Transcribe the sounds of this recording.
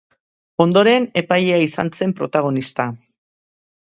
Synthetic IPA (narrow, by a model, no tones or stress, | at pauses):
o̞nd̪o̞ɾe̞ne̞pajeaisa̰nse̞mpɾo̞̰t̪aɣ̞o̞nist̪a